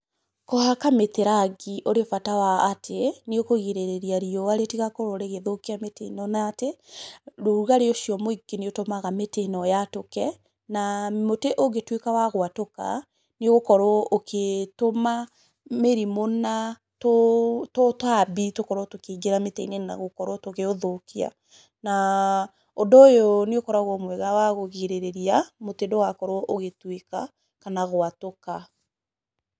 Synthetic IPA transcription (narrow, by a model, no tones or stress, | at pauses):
kɔhakameteɾaɡiʔoɾefatawaːtʰeneokoɣeɾeɾeɾiaɾiɔaɾetiɣakɔɾoɾeɣeðokeametḛnɔnaːte | ɾoɾuɣaɾeoʃiɔmoiɡeniotomaɣametenɔjatokɛ | namoteʔoɡetwekawaɣwatoka̰ | neɣokɔɾɔːkʰetoma | meɾimona | totɔtabitokɔɾɔtokeɡeɾametɛinena̰ɣokɔɾɔtoɣeoðokia̰ | na | ondojoneokɔɾaɣɔmwɛɣawaɣoɣeɾeɾeɾiamotedowakɔɾoʔoɣetweka | kanaɣoatoka